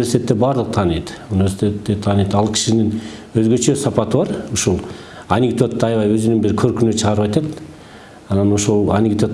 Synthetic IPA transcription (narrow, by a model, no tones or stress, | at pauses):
eɾsʲit̪ʲe̞t̪ːebɑɾd̪ɯqt̪ʰɑːnijt̪unʲivʲe̞si̥t̪ʲet̪ːet̪ʰɑːnjt̪ɑlˠkʲʰi̥ʃinin | øzɡø̞t͡ʃø̞sɑpɑt̪ɯbɑɾuʃulˠ | ɐnʲɪɡd̪o̞t̪ːɑɑjwɑjøzynynbiɾkʰø̞ɾkynyt͡ʃʰɯʁɑɾɯpɑjt̪ɑt̪ | ɑnɑno̞ʃolˠa̰nʲɪɡd̪o̞t̪